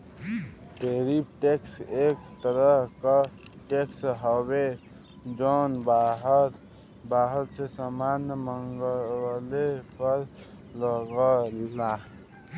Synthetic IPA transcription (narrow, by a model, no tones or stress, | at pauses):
ʈeɾipʈekseːkt̪əɾəɦkaʈeksɦɔbe | d͡ʒɔːnbaɦət̪ | baːɦəɾsesamaːnjəməŋɡəlepəɾ | ləɡəla